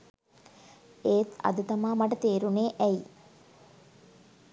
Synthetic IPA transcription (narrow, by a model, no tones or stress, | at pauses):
eːt̪ɐ̰d̪ət̪ɐmaːmɐʈɐt̪eːɾuneːʔɛi